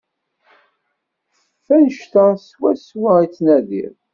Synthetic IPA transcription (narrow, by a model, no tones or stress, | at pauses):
fænəʃt̪əswæswæit͡sːnæðḭɾ